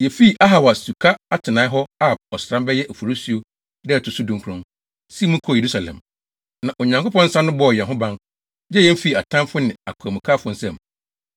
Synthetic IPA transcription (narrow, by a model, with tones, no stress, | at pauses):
jɛ˨fi˦˨ʔa˦ɦa˨wa˨su˨kʰa˦a˦tʰɪ˨nã˨˦ɦɔ˦a˦˨b̚ɔ˨sɾã˦mbɛ˦jɛ˦ʔo˨fu˨ɾo˦su˦o˦ | dɛ˦˨tʰʊ˨su˦dũ˦ŋkʰu˨ɾʊ̃˦n | si˦mũ˦kʰɔ˦˨je˨ɾu˦sa˨lɛ̰̃˨m | nã˨ʔo˨ɲã˨ŋkʊ˦pʰɔ̃˦n̩˦sã˦nʊ̃˦bɔ˦˨jɛ̃˨n˨ɦʊ̃˦bã˦n | jɛ˦jɛ̃˦m̩˦fi˦˨a˨tʰã˦mfʊ˦nɪ̃˨a˨kʰa˨mʊ̃˨kʰaː˦˨fʊ̃˦n̩˦sɛ̃˦m